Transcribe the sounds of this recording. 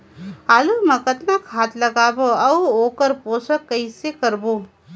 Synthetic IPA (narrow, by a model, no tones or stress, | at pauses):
aːlumɐkət̪nakɦaːt̪lɐɡaːboɐuoːkəɾpoːsəkːɐisekɐɾboː